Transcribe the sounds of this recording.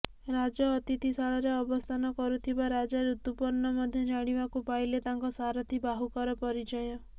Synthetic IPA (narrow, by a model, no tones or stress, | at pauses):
ɾad͡ʒɔːt̪it̪isaɭɔɾeɔbɔst̪ʰanɔkɔɾut̪ʰibaɾad͡ʒaɾut̪upɔɾnɔmɔd̪ʱjɔd͡ʒaɽ̃ibakupajlet̪aŋkɔsaɾɔt̪ʰibaɦukɔɾɔpɔɾid͡ʒajɔ